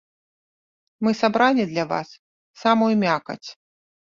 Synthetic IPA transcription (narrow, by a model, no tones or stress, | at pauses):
mɨsabɾanʲɛd̪lʲava̰sː | amujumʲakɐ̰t͡sʲ